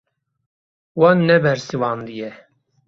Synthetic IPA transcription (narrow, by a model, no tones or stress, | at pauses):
wɑnːɛbɛɾsiwɑːnd̪ijɛ